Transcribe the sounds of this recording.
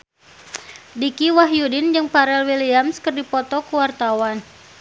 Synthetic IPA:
dikiwaɦjudɪnd͡ʒɨŋpaɾɛlwiliamskərdipɔt̪ɔkuwart̪awan

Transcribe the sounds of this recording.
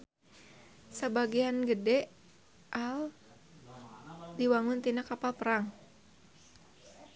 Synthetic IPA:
səbaɡianɡədɛ | ʔal | diwaŋʊnt̪inakapalpəɾaŋ

